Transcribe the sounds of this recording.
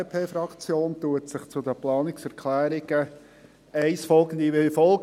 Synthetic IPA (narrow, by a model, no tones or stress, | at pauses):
pʰeːfɾɑkt͡sjoːntuətsɪχt͡sʊd̪əplɑːnɪksæɾkʰlæːɾɪɡ̥ə | æɪsfɔlɡənd̪iʋɪlfɔlɡ